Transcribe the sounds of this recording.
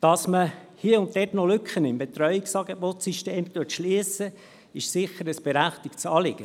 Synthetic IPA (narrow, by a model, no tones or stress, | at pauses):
d̥ɑsmə | hiəʊnt̚dɛtnɔlʏkχənɪmbet̪ɾœʏɪksɑːɡebot̪siʃteːmt̪utʃliəsə | ɪʃsɪχəɾəsb̥eɾæχt̪ɪkt͡sɑːlɪɡ̥ə